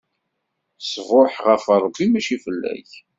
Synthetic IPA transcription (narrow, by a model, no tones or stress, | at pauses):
səvoħʁəfəɾˤəbːimæʃifəlːæ̰ç